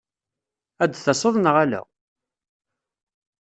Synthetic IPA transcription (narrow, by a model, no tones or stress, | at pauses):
æd̪θɑsˤoðˤnəʁælæ̰